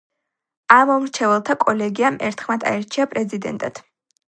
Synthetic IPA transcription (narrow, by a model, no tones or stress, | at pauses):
amɔmɾt͡ʃʰɛvɛlˠt̪ʰakʼɔlɛɡiamʔɛ̰ɾt̪ʰχmad̪ʰa̰ɛɾt͡ʃʰiapʼɾɛzid̪ɛ̰nt̪ʼat̪ʰ